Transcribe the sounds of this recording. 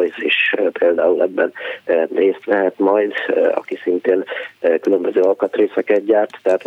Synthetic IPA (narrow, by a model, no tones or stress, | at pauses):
jsiʃpeːld̪aːulʔɛbːɛnːreːst̪ʋɛɦɛt̪mɒjd̪ɒ̰kisint̪eːnkylømbøzøːɒlkɒt̪reːsɛkɛt̪ɟaːrt̪ːɛɦaːt̪